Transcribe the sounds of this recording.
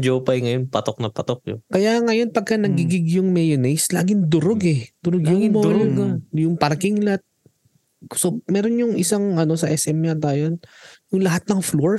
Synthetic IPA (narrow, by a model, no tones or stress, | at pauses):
d͡ʒowpɐjŋɐjonpɐt̪ok̚nɐpɐt̪ok̚jʊ̰kɐjaŋɐjo̞npɐɡ̚kɐnɐɡiɡɪɡjʊŋmɛjonɛjslaːɡɪŋd̪ʊɾoɡɛd̪̥ʊɾoɡjʊŋɪmoːlokɐjʊŋpɐɾkɪŋlɐt̪̚ | somɛːɾonjʊŋɪsaŋɐno̞sɐʔɛsʔɛmat̪aːjonjʊŋlɐɦat̪̚nɐŋfloɹ